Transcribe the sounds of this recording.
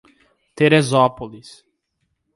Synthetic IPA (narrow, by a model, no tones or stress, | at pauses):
t̪eɾezɔpolis